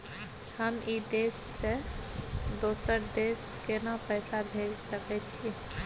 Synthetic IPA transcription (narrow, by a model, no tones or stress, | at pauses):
həmid̪esːe | d̪oːsəɾd̪es | kenapəɪsabʱelsəkɛt͡ʃʰi